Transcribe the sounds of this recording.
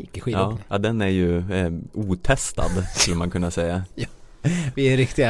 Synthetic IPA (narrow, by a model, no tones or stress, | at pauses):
kːəɧiːɑːjɑːd̪ɛnæɾjɵ | uːt̪ʰɛst̪a̰d̪skɵlːəmankʰɵnːasɛjːa | vɪɛɾɪkt̪ɪɡa